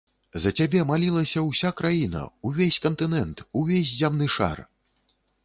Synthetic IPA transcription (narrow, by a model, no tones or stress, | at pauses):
zɐt͡sʲabʲɛmalʲilˠɐsʲɐwsʲakɾajinɐ̰uvʲesʲkɐnt̪ɨnɛnt̪uvʲezʲzʲamnɨʂa̰r